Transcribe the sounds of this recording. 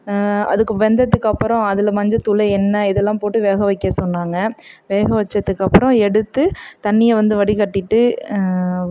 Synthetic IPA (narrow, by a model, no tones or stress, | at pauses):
ɐ̰ðɯkːɯʋɛnd̪ɐðɯkːɐpːɯɾɔ̃ɐðɪlɐmɐɲd͡ʒɐt̪ʊlɐɪɛnːɐɪðɛlːãːpoːʈːɯʋeːɣɐʋɐɪkːɐsɔnːaːŋɡɐʋeːɣɐʋɐt͡ʃːɐt̪ːɯkːɐpːɯɾɔ̃ɛɽɯt̪ːɯt̪ɐnːɪjɐʋɐnd̪ɯʋɐɽikɐʈːɪʈːɯ